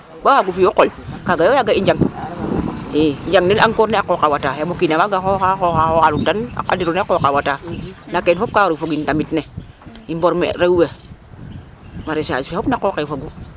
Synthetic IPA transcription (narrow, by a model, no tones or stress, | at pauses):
bawaɡufijokolkaɡajojaɡaiɲd͡ʒaŋ | eɲd͡ʒaŋnilaŋkoɾneakokawatajamokinawaɡaxohaxohahoaluntana̰diɾunekokawatanakenfop̚kawɾufoɡindamitne | imboɾmḛɾauwe | maɾesa̰d͡ʒfefopnakoːkefoɡu